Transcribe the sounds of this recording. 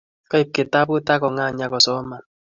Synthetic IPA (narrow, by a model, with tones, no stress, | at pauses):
kɔ˦i˦˨p̚ke˨ta˦bʊ˦ta˦kɔ˨ŋa˦˨ɲa˦kɔ˨sɔ˦ma˨n